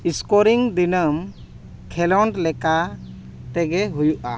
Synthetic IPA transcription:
iskoɾiŋd̪inəm | kʰɛlɔɳɖlɛka | t̪ɛɡɛɦujuʔa

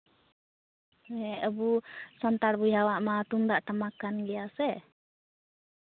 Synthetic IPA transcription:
ɛəbusɔnt̪aɾbujɦawaʔmat̪umd̪aʔʈamakanɡɛjasɛ

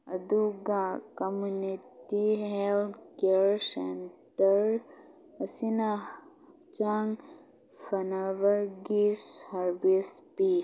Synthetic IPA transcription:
ɐd̪uɡakəmuniʈtiɦelt̪keɾsentəɾ | əsina | t͡ʃaŋ | fɐnaʋəɾɡiɾsɐɾbispi

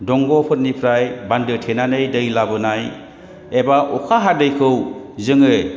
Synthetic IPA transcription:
dɔŋɡɔpʰɯt̚nipʰɾajbandɯtʰenanɯjdɯjlabɯnaj | ebaʔɔkʰaɦadɯjkʰɯwzɯŋɯ

